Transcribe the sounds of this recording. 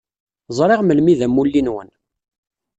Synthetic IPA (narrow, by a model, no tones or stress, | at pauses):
zˤɾˤeʁməlmiðæmulːinwən